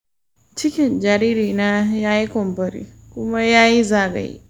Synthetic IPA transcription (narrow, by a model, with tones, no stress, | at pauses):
t͡ʃɪ˦kʲɪ˨nd͡ʒa˨ɾi˦ɾi˨na˦jaː˦ji˦kɔ˨mbɐ˦˨ɾḭ˨kʊ˦ma˦jaː˦ji˦zaː˦˨bɛ̰˨j̰